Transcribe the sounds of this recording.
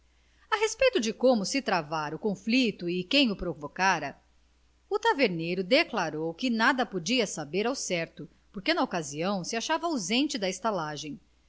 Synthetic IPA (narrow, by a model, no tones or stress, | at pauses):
ɐɦespejt̪ʊd͡ʒɪkõmʊsɪt̪ɾavaɾʊkõflit̪ʊɪkẽj̃ʊpɾovokaɾɐ | ʊt̪aveɾnejɾʊd̪eklaɾowkɪnad̪ɐpod͡ʒiɐsabeɾawsɛɾt̪ʊ | poɾkenɐokaziɐ̃w̃sɪaʃavɐawzẽnt͡ʃɪd̪ɐɪst̪alaʒẽj̃